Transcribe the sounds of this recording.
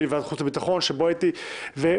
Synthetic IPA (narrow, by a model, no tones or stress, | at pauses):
levad̪χut͡sabit̪aχo̞nʃeboait̪ive